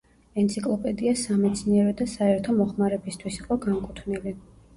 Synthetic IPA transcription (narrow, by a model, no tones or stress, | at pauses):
ɛnt̪sʰikʼlˠɔpʼɛd̪iasamɛt̪sʰniɛɾɔd̪asaɛɾt̪ʰɔmɔχmaɾɛbist̪ʰwisiqʼɔɡaŋkʼut̪ʰvnili